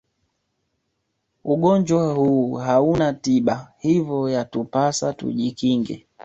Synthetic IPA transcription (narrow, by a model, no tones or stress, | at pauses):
uɡɔɲd͡ʒwahuːɦaunatiɓahivɔjatupasatṵʄikiŋɡɛ̰